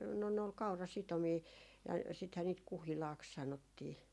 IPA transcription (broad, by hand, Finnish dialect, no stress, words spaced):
no ne ol kɑurɑsitomiː jɑ sithæː niːt kuhilɑːks sɑnotːiː